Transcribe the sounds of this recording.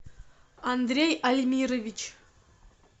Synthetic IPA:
and̪rʲejalʲmʲiɾovʲit͡ɕ

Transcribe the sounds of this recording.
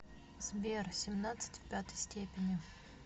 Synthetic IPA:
z̥bʲersʲɪmnat̪sɨ̥tʲfʲpʲat̪əjsʲtʲepʲɪnʲɪ

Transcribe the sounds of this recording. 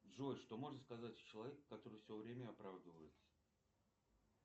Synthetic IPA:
ʐojʂt̪o̞mo̞ʐnəskɐzatʲt͡ɕɪlˠɐvʲekːɐt̪o̞ɾɨfsʲovɾʲemʲəɐpɾavd̪əvəjɪt̪sə̥

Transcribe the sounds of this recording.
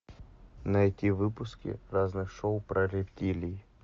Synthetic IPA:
nɐɛt̪ʲivɨpʊskʲɪ̰raznɨxʂoʊpɾəɾʲɪpʲt̪ʲilʲij

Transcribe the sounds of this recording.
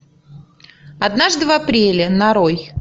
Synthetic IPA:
ɐd̪naʐd̪ɨvɐpɾʲelʲɪnɐɾoj

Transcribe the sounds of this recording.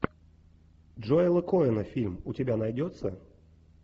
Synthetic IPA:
ʐɔjɛlˠɐkɔjɛnɐfʲilʲmut͡sʲabʲanajd͡zʲɔt̪sːɐ̰

